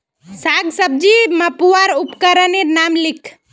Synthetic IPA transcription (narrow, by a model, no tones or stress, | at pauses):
saːɡsəb̚d͡ʒiməpuwaɾupkəɾəneɾnaːmlikʰ